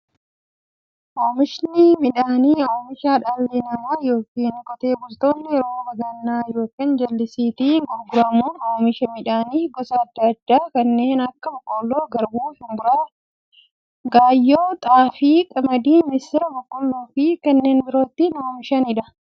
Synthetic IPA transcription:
oːmɪʃnɪmɪᶑaːniːoːmɪʃaːᶑɐlːinɐmaːjo̞ːkiːnkʼɔt̪e̞ːbʊlt̪o̞ːnːɪɛɾo̞ːbɐɡɐnːaːjo̞ːkiːnd͡ʒɐlːɪsiːt̪iɡʊɾɡʊɾɐmuːnoːmɪʃɐmɪᶑaːniːɡɔsɐːd̪ːɐːd̪ːaːkɐnːe̞ːnɐkːɐbɐkʼːoːlːoːɡɐɾbuːhɪmbʊɾaː | ɡaːjːoːt̪ʼaːfiːkʼɐmɐd̪iːmɪst̪ɛɾbɐkʼːɔlːoːfiːkɐnːe̞ːnbɪɾo̞ːt̪ːɪnoːmɪʃɐnɪᶑɐ

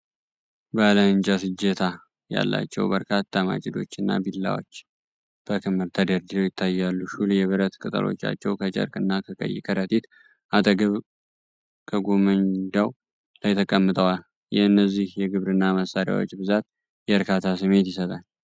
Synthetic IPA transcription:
baləɨnt͡ʃʼasɨd͡ʒːət̪ʰa | ja̰lːa̰t͡ʃːɛ̰wbəɾkʰat̪ʰːama̰t͡ʃʼɪd̪o̞̰t͡ʃːɨnːa̰bilːa̰wo̰t͡ʃː | b̥əkʰɨmɨɾt̪ʰəd̪əɾd̪iɾojɪt̪ʰːajːalːuʃuljɛβɨɾət̪kʼɨt̪ʼə̰lʔo̞̰t͡ʃːa̰t͡ʃːɛwkʰət͡ʃʼə̰ɾkʼɨnːakʰəkʼə̰jːɪ̰kʰəɾət̪ʼit̪ | ʔat̪ʼəɡəβ | kʰəɡomɨnd̪aw | lajt̪ʰəkʼəmːɨt̪ʼəwal | jɛɨnːəzːihjɛɡɨβɾɨnːaməsaɾja̰wo̞̰t͡ʃːbɨzat̪̚ | jɛəɾkʰat̪ʰasɨme̞t̪jɪsət̪ʼal

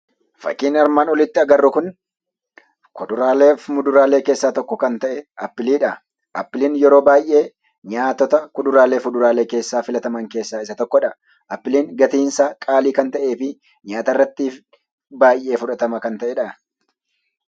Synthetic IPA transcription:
fɐ̰kːiːnɐɾmaːnɔlɪt̪ːɪɐɡɐrːʊkʊn | kɔd̪ʊɾaːleːfmʊd̪ʊɾaːle̞ːke̞ːsːaːt̪ɔkːɔkɐnt̪ɐʔɛɐpːɪliːᶑɐ | ʔɐpːɪliːnjɛɾo̞ːbaːjʔe̞ː | ɲaːt̪ːɔt̪ɐkʊd̪ʊɾaːleːfʊd̪ʊɾaːle̞ːke̞ːsːaːfɪlɐt̪ɐmɐŋke̞ːsːaːɪsɐt̪ɔkːɔᶑɐ | ʔɐpːɪliːŋɡɐt̪iːnsaːkʼaːliːkɐnt̪ɐʔe̞ːfɪ | ɲaːt̪ɐrːɐt̪ːiːf | baːjʔːe̞ːfʊᶑɐt̪ɐmɐkɐnt̪ɐʔɛᶑɐ

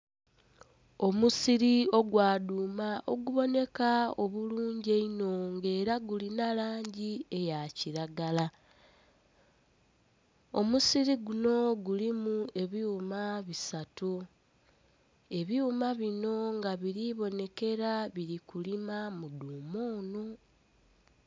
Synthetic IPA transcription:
o̞musiɾio̞ɡwaːduːmaʔo̞̰ɡuβo̞ne̞kao̞βuluːɲɟeino̞ŋɡe̞ːɾaɡulinalaːɲɟie̞jaciɾaɡala | o̞musiɾiɡuno̞ɡulimue̞βjuːmaβisatu | e̞βjuːmaβino̞ŋɡaβiɾiβo̞ne̞ke̞ɾaβiɾikulimamuduːmoːno̞

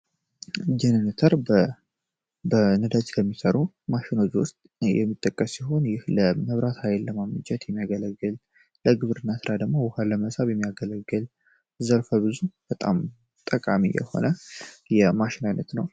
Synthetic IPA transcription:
d͡ʒɛnənət̪ʰəɾ | bənɨd̪at͡ʃkʰəmːisəɾu | maʃɪno̞t͡ʃwʊst̪ʼjɛ̰mːɨt̪ʼːəkʼːəsːiɦo̞njɪhləməβɾat̪hajlːəmamɨt͡ʃʼɛt̪jɛmːijaɡələɡːɨl | ləɡɨβɾɨnːasɨɾad̪əɡmo̞wʊhaləməsaβjɛmːijaɡələɡːɨl | zəɾfəbɨzub̥ət̪ʼa̰m | t̪ʼəkʼamḭjɛ̰ho̞̰nəjɛmaʃɪnajnət̪nəw

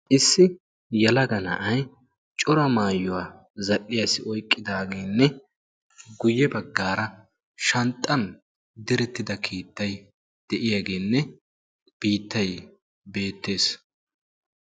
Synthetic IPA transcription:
ʔɪsːɪ | jɐlɐɡɐnɐ̰ʔɐj | t͡ʃʼɔɾɐmaːjːʊwaː | zɐɗːɪjasɪʔɔjkʼːɪd̪aːɡe̞ːnːɛ | ɡʊjːɛbɐɡːaːɾɐ | ʃɐnt̪ʼːɐn | d̪ɪɾɛt̪ːɪd̪ɐkʰiːt̪ːɐj | d̪̥ɛʔɪjaːɡe̞ːnːɛ | b̥iːt̪ːɐj | be̞ːt̪ːe̞ːs

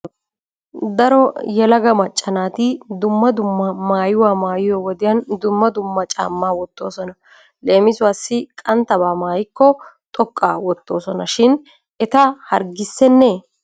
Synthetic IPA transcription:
d̪ɐɾɔjɛlɐɡɐmɐt͡ʃʼːɐnaːt̪ɪd̪ʊmːɐd̪ʊmːɐmaːjʊwaːmaːjɪjɔwɔd̪ɪjɐnd̪ʊmːɐd̪ʊmːɐt͡ʃʼa̰ːmːaːwɔt̪ːo̞ːsɔnɐ | leːmɪsʊwaːsːɪkʼɐnt̪ɐbaːmaːjɪkːɔt̪ʼɔkʼːa̰ːwɔt̪ːo̞ːsɔnɐʃɪn | ɛt̪ɐhɐɾɡɪsːɛnːɛ

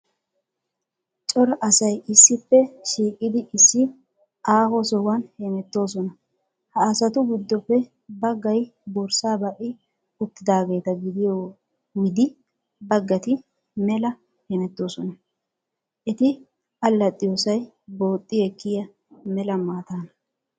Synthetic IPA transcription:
t͡ʃʼɔɾɐʔɐsɐjɪsːɪpːɛʃiːkʼːɪd̪ɪʔɪsːɪ | aːhɔsɔwɐnhemɛt̪ːo̞ːs̬ɔnɐ | hɐːsɐt̪ʊɡɪd̪ːɔpːɛ | bɐɡːɐjbɔɾsaːbɐʔɪ | ʊt̪ːɪd̪aːɡe̞ːt̪ɐɡɪd̪ɪjo | wɪd̪ɪ | bɐɡːɐt̪ɪ | mɛlɐ | hɛmɛt̪ːo̞ːsɔnɐ | ʔɛt̪ɪ | ʔɐlːɐt̪ʼːɪjoːsɐj | bo̞ːt̪ʼːɪɛkːɪjɐ | mɛlɐmaːt̪aːnɐ

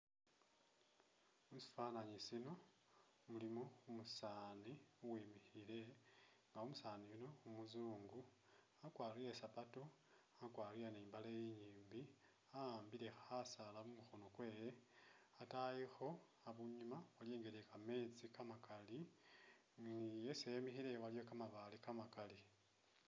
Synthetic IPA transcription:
musi̥fanaɲisino̞ | mulimoumusaːniuwiːmixile̞ŋɡaumusaːniβino̞umuzuːŋɡu | akwaːrijesapato | akwaːrijaniːmbalejiɲiːmbi | aaːmbile̞xasalaβumuxonokwe̞ːjeatajixo̞ | aβuɲumawaljeːŋɡeɾekame̞ːt͡sikamakali | nijesejemixiɾewalijo̞kamaβalikamakali

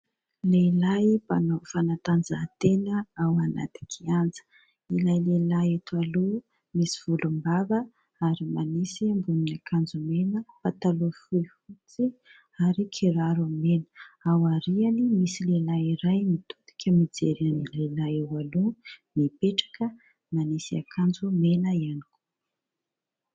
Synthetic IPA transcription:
leilajbanofanat̪and͡zat̪enəawana̰d̪i̥kʰiand͡zə̥ | ilajlelaet̪ualu | misiv̥ulumbavə | aɾimanisiambuninakʰand͡zumenəpat̪alofuifut͡si | aɾikʰiɾaɾuamenə̥awaɾianimisilelaiɾajmit̪ut̪i̥kʰʲəmid͡zḛɾanilelaewalumipeʈ͡ʂḁkə | manisiakʰand͡zumenəianiku̥

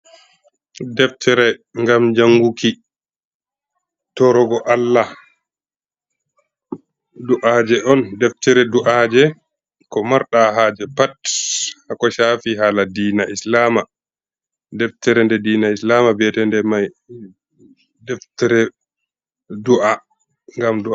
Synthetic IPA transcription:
dɛftʰɛɾɛŋɡamd͡ʒaŋɡuki | tɔɾɔɡɔʔalːa | duʔad͡ʒɛʔɔndɛftɛɾɛduʔad͡ʒɛ | kɔmaɾɗaɦad͡ʒɛpathakɔʃafiɦaːladiːnaʔislama | dɛftɛɾɛndɛdiːnaislamabɛtɛndɛmaj | dɛftɛɾɛ | duʔa | ŋɡamdua

